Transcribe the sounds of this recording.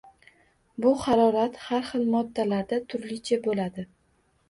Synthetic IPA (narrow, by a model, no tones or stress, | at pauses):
bʊχɑɾɒɾat̪haɾχɨlˠmɒd̪ːalaɾd̪at̪ʰʊɾlɪt͡ʃʰabolad̪ɪ